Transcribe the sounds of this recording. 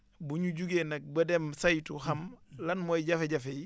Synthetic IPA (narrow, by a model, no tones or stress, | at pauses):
buɲuɟuɡenɐk̚bɐdɛmsɐjtuhɐmlɐnmɔjɟɐfeɟɐfeji